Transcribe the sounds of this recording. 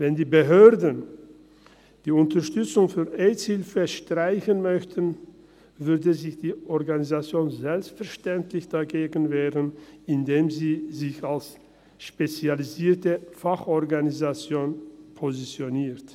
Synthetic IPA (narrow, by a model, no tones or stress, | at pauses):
vɛndiːbəɦøːɐdən | d̥iːʊntɐʃtʏt͡sʊŋfyːɐʔɛːtshɪlfəʃtʁ̥aɪçənmœçtʰən | vʏɐdəzɪçd̥iːʔɔɐɡanizat͡sjoːnzɛlpstfɛɐʃtɛntʰlɪçd̥aɡeːɡən̩veːʁənɪndeːmziːzɪçals | ʃpet͡sjaliziːɐtəfaχʔɔɐɡanizat͡sjoːnpʰozit͡sjoniːt